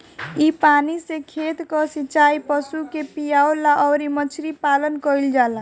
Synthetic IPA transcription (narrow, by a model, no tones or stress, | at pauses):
ipanisekʰet̪kɔsit͡ʃaipəsukepijaolaʔɔwɾimət͡ʃʰɾipalənkəild͡ʒala